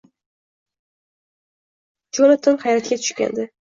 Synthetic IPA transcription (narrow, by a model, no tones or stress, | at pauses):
d͡ʒolat̪ʰʊnhajɾat̪̚kʲat̪ʰʊ̥ʃkʲa̰nd̪ɪ